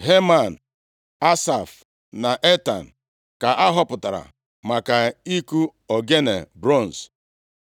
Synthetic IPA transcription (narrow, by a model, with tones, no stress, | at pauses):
ɦe˦ma˨n̩˨ | a˦sa˨f | na˨ʔe˦ta̰˨n̩˨ | ka˨ʔa˦ɦɔ˦pʊ˨ta˨ɾa̰˨ | ma˨ka˨i˦ku˦ɔ˨ɡe˦nḛ˨bɾɔ˦˨n˨s